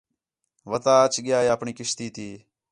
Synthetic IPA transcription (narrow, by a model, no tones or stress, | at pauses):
ʋət̪aːt͡ʃɠɪjaːjeəpɳiːkɪʃt̪iːt̪ʰiː